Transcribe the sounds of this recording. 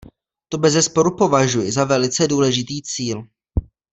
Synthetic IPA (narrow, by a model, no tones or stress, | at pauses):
t̪o̞bɛzɛspo̞ɾupo̞vaʒujɪzavɛlɪt͡sɛduːlɛʒɪt̪iːt͡siːl